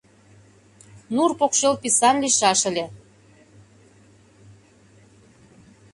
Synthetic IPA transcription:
nurpokʃelpisɑnliʃɑʃə̆lʲe

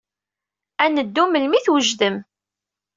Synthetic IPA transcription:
ænəd̪ːuməlmiθwəʒðəm

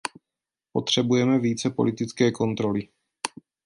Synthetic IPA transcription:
po̞t̪r̝̥ɛbujɛmɛviːt͡sɛpo̞lɪt̪ɪt͡skɛːko̞nt̪ɾo̞lɪ

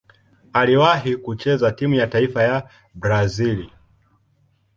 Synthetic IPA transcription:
aliwaɦikut͡ʃɛzatimujataifaja | bɾazili

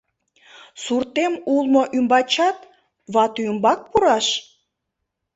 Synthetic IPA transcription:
surt̪emulˠmoʔymbɑt͡ɕɑt̪ | βɑt̪uəmbɑk̚puɾɑʃ

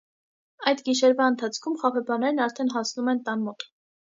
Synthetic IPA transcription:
ɑjd̪ɡiʃɛɾvɑənt̪ʰɑt͡sʰkʰumχɑpʰɛbɑnɛɾnɑɾt̪ʰɛnɦɑsnumɛnt̪ɑnmɔt̪

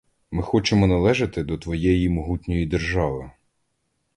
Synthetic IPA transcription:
mɪxɔt͡ʃemɔnɐlˠɛʒɐt̪ɪd̪ɔt̪ʋɔjɛjimɔɦutʲnʲɔjid̪erʒɑʋɪ

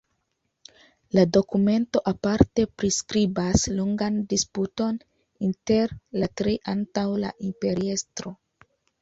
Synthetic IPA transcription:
lado̞kume̞nto̞ʔapaɾte̞pɾiskɾibasloŋɡandisputo̞n | inte̞ɾlatɾeʔantawla̰ʔimpe̞ɾie̞stɾo̞

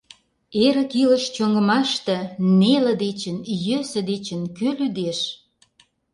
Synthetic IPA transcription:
eɾə̆kilə̆ʃt͡ɕoŋɡə̆mɑʃt̪ĕnelə̆d̪et͡ɕə̆njøsə̆d̪et͡ɕə̆nkølyd̪eʃ

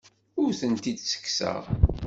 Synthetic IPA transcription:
ʊɾθənt̪id̪sə̥kːsə̰ʁ

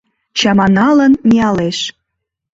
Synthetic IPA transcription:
t͡ɕɑmɑnɑlənmiɑleʃ

